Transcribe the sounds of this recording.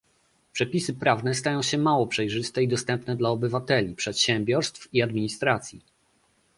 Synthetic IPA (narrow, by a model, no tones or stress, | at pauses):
pʂɛpʲisɘpɾavnɛst̪ajɔ̃w̃ɕɛmawɔpʂɛjʐɘst̪ɛid̪ɔst̪ɛmpnɛd̪laɔbɘvat̪ɛlʲipʂɛt̪ɕɛmbʲjɔɾst̪fiad̪mʲiɲist̪ɾat̪sʲji